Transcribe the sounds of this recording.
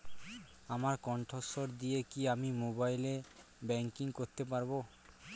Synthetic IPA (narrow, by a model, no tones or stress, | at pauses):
amaɾkɔɳʈʰosoɾd̪ijekiamimobajle | bɛŋkiŋkoɾt̪epaɾbo